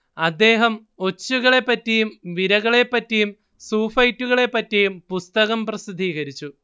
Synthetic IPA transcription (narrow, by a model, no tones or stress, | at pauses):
ɐd̪ːe̞ːɦɐm | o̞t͡ɕːuɣɐɭe̞pːɐtːijumʋiɾɐɣɐɭe̞pːɐtːijum | suːfɐjtːuɣɐɭe̞pːɐtːijumpust̪ɐɣɐmprɐsid̪ʱiːɣɐɾit͡ɕːu